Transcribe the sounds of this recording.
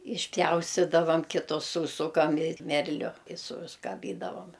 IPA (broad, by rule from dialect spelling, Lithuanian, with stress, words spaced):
ɪʃʲˈpʲjɛʊsʲtʲɪdɐʋɐm ˈkʲɪtoː ˈsuːsʊkɐm ɪ ˈmʲɛrʲlʲʊ ɪ sʊskɐˈbʲiːdɐʋoːm